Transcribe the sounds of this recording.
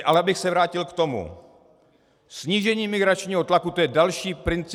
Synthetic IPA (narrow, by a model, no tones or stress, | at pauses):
ʔalɛabɪxsɛvɾaːcɪlkt̪o̞mṵ | sɲiːʒɛɲiːmɪɡɾat͡ʃɲiːɦo̞t̪lakut̪ojɛdalʃiːpɾɪnt͡s